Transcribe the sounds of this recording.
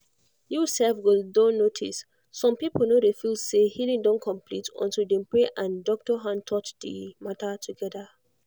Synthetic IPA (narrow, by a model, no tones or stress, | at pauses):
jusɛlfwildõnːotʰḭsː | ɔ̃mpipl̩nodefilsehilĩŋdɔ̃nkʰɔ̃mpʰlitʰɔ̰̃ntuldɛ̃mpɹeʔãndɔk̚tɔɦãntʰɔtdḭmatʰatʰuɡɛda